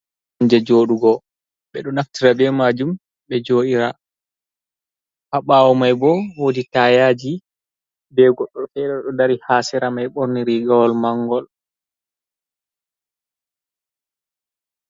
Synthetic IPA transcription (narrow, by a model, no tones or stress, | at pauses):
ɲd͡ʒɛd͡ʒoːɗuɡɔ | ɓɛɗɔnaftiɾabɛmaːd͡ʒum | ɓɛd͡ʒoːʔiɾa | haɓaːwɔmajbɔwoditaːjad͡ʒi | bɛɡɔɗːɔtɛɗɛɗɔdaɾihaːsɛɾamajɓoɾniɾiɡawɔlmaŋɡɔl